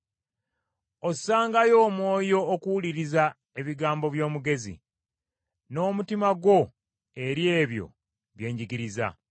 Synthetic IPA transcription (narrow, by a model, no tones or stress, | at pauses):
osaːŋɡajo̞ːmwo̞ːjo̞ːkuwuliɾiza | e̞βiɡaːmbo̞βjo̞ːmuɡe̞zḭ | no̞ːmutimaɡwo̞ | e̞ɾje̞ːβjo̞̰ | βje̞ːɲɟiɡiɾiza̰